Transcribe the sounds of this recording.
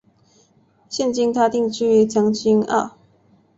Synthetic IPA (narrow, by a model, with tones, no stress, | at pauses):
ɕjɛ˥˨nt͡ɕi˥ŋt̪ʰa˥t̪i˥˧ŋt͡ɕy˥˩t͡ɕjɑ˥ŋt͡ɕi˥ŋɑ̰˥˩